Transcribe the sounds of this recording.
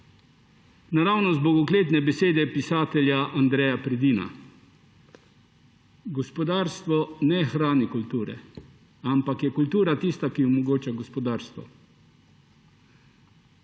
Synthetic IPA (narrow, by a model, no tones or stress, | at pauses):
naɾawnɔzbɔɡɔkleːt̪nɛbɛseːd̪ɛpisaːt̪ɛljaʔand̪ɾɛjapɾɛd̪iːna̰ | ɡɔspɔd̪aːɾst̪ʋɔnɛxɾaːnikult̪uːɾɛ̰ | ampakjɛkult̪uːɾat̪ist̪akiɔmɔɡoːt͡ʃaɡɔspɔd̪aːɾst̪ʋɔ̰